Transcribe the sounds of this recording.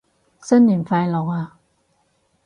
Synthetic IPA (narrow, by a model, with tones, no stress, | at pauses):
sə˥nːi˨˩nfa˧jlɔ˨˦wa˧